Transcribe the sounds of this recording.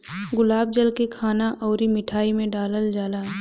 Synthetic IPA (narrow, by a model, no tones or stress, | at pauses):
ɡʊlaːb̚d͡ʒəlkekʰaːnaʔʔɔːɾimɪʈʰaːimẽɖaːləld͡ʒaːlaɦɛ